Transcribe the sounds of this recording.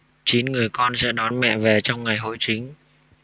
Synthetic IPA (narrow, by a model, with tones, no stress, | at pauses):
t͡ɕi˨˦nŋɨ˨˩əjkɔ˧nsɛ̰˧˥ɗɔ˨˦nmɛ̰˧˨ve˨˩t͡ɕɔ˧wŋ͡mŋa˨˩jɦo̰˧˥jt͡ɕï˨˦ŋ̟